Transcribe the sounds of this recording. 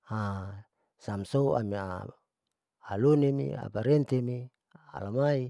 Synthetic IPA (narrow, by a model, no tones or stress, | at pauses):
ha | samsoua̰mia̰ | lunemḭa̰paɾent̪emi | a̰lamai